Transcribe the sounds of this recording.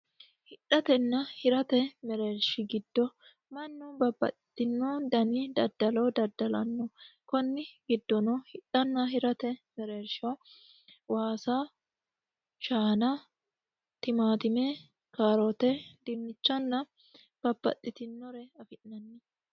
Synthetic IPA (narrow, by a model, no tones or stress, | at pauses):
hɪᶑɐt̪ɛnːɐhɪɾɐt̪ɛmɛɾeːɾʃɪɡɪd̪̥ːɔ | mɐnːubɐbːɐ̰t̪ʼːɪ̥t̪ɪnːoːd̪ɐnid̪ɐd̪ːɐlod̪ɐd̪ːɐlɐ̰nːɔkɔnːɪɡɪd̪ːɔnɔhɪᶑɐnːɐɦɪɾɐt̪ɛmɛɾeːɾʃo | waːsaː | ʃaːnɐ | t̪ɪmaːt̪ɪme | kaːɾɔt̪ɛd̪ɪnːɪt͡ʃːɐnːɐ | b̥ɐbːɐ̰t̪ʼːɪt̪ɪnːɔɾɛɐfɪnːɐnːɪ